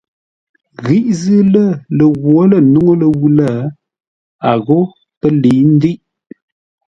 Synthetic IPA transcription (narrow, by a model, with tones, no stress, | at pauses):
ɣi˦ʔzɨ˦lə˦˨lə˨ɣwo˦lə˨nu˦ŋo˦lə˨wu˦lə˦˨ | a˨ɣo˦ | pə˦li˨˦n̩˦di˦ʔ